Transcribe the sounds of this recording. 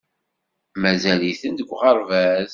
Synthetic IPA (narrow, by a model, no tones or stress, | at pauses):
mæzæliθənd̪əɡʷʁɑɾˤvæz